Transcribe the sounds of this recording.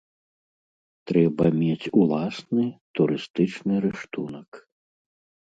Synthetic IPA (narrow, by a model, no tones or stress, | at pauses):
t̪ɾɛbɐmʲet͡sʲulˠasnɨt̪uɾɨst̪ɨt͡ʂnɨɾɨʂt̪unɐk